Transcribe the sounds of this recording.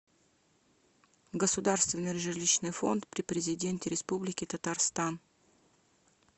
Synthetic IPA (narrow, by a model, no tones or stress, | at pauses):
ɡəsʊd̪arst̪vʲɪnɨʐɨlʲiɕnɨjfo̞̰nt̪pɾʲɪpɾʲɪzʲɪdʲentʲɪɾʲɪspublʲɪkʲɪt̪ət̪arst̪an